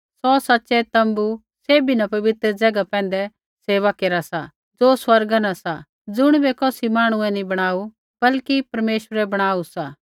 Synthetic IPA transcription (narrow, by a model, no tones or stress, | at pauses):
sɔsɐtːʃɛt̪ɐ̃mbu | seːbinɐpɐʋɪt̪ɾd͡zɐɡapɛ̃ːn̆d̪ɛ | seːʋakeːɾasa | d͡zoːswɐɾɡanasa | d͡zʊɽ̃bɛkoːsimaːɽ̃ʊɛ̃nibɐɽ̃aːu | b̥ɐlkipɐɾmeːʃwəɾɛbɐɽ̃aːusa